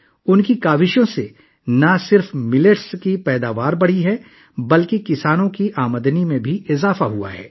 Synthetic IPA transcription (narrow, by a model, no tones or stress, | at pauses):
ʊnkikaːʋɪʃjõse | nɐsɪɾfmɪləʈskipɛːd̪aːʋaːɾbɐɽ̤iɦɛ | bɐlkekɪsaːnõkiʔaːməd̪nimẽbʱiɪzaːfaɦua̰ɦɛ̰ː